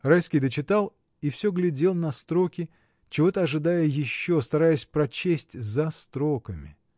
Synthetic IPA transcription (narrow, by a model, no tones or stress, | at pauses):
rajskʲɪjd̪ət͡ɕɪt̪alˠ | ifsʲɵɡlʲɪdʲe̞lˠnɐst̪ɾo̞kʲɪ | t͡ɕɪvo̞t̪əɐʐɨd̪ajəjɪɕːo̞st̪ɐɾajɪsʲpɾɐt͡ɕesʲtʲzɐst̪ɾo̞kəmʲɪ̰